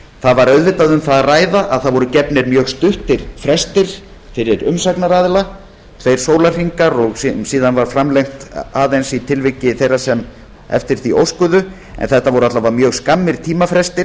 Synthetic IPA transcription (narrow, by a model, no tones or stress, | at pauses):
θaðvaɾœɥðvɪt̪aðʏmθaðaraːjðaʔaðθaðvɔɾʏcɛpnɪɾmjœːɣst̪ʏht̪ɪɾ̥fɾɛst̪ɪɾ̥ | fɪɾɪɾʏmsaknaɾaːðla | θejɾ̥soːwlar̥riŋkaɾɔɣssiːðanvaɾ̥fɾamlejŋt̪aːðejnsit̪ʰɪlvɪcːɪθejrːasɛm | ɛ̰ft̪ɪɾ̥θiʔo̰wskʏðʏ | ɛ̰nθɛht̪ːavɔɾʏat̪lavamjœːɣskamːɪɾ̥t̪ʰiːmafɾɛst̪ɪ